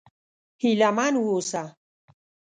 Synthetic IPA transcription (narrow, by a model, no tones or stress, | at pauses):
hilamanwusa